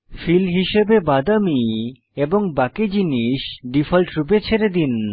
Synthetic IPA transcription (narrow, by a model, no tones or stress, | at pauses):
filɦiʃebebad̪ami | eboŋbakid͡ʑiniʃɖifʰalʈɾup̬et͡ɕʰeɾed̪in